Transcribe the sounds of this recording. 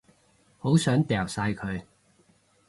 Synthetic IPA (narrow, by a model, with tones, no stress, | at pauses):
ho˨˥wsœː˨˥ŋt̪ɛː˨˩wsaː˧jkʰɵ˨˧ɥ